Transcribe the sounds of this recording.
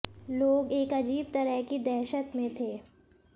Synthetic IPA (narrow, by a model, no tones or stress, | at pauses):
loːɡeːkɐd͡ʒiːb̚t̪ɐɾəɦkid̪ɛɦʃət̪mẽt̪ʰeː